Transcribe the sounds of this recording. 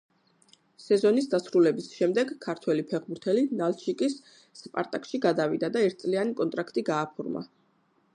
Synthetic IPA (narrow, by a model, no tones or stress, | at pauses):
sɛzɔnisd̪asɾulɛbisʃɛmd̪ɛɡkʰːaɾt̪ʰwɛlipʰɛʁbuɾt̪ʰɛlinalt͡ʃʰikʼisː | pʼa̰ɾt̪ʼakʼʃiɡad̪avid̪ad̪aɛɾt̪̚ʰsʼlianikʼɔnt̪ʼɾakʰt̪ʼiɡaːpʰuɾma̰